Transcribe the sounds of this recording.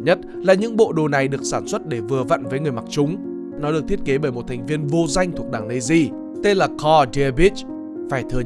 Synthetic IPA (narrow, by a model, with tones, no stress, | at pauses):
ɲə˦˥t̚ | laː˨˩ɲɨ̰˧˥ŋɓo̰˧˨ɗo˨˩na˨˩jɗɨ˨˩ək̚saː˧˩nswə˦˥t̚ɗe˧˩vɨ˨˩əvə̰˧˨nvəː˨˦jŋɨ˨˩əjma˨˩k̚t͡ɕʊ˨˦ŋ͡m | nɔ˨˦ɗɨ˨˩k̚t̪ʰi˦˥ət̚ke˨˦ɓəː˧˩jmo˨˩t̚t̪ʰjŋ̟vi˧ənvo˧za˧jŋ̟t̪ʰu˨˩ək̚ɗaː˧˩ŋnə˧zi˧ | t̪e˧nlaː˨˩kɔ˧zi˧bi˦˥t͡ɕ | faː˧˩jt̪ʰɨ˨˩ə